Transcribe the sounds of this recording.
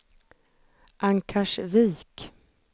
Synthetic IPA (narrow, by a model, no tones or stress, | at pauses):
ʔaŋkʰaʂviːk